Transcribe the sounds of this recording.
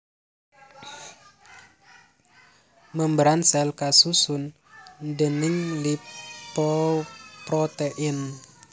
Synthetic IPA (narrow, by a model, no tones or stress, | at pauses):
məmbɾansɛlkasusun | dəniŋlippɔpɾɔt̪eʔin